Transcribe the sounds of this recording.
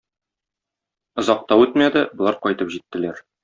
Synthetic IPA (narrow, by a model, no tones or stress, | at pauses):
ŏzɑq̚t̪ɑwʉt̪mæd̪ɘbŏlˠɑɾqɒjt̪ɤpʑit̪ːɘ̆læɾ